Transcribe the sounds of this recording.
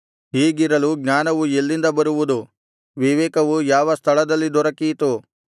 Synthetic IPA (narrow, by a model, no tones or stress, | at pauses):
hiːɡiɾɐluɡnaːnɐʋuelːind̪ɐbɐɾuʋud̪u | ʋiʋɛːkɐʋujaːʋɐst̪ʰɐɭɐd̪ɐlːid̪ɔɾɐkijt̪u